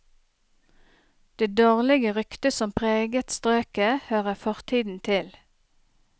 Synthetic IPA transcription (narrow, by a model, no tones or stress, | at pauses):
d̪̥eːd̪oːʁlɪɡəʁʏkt̪əsɔmpʰʁeːɡət̪st̪ʁøːkəhøːʁəfɔʁt̪ʰiːd̪n̩t̪ʰɪl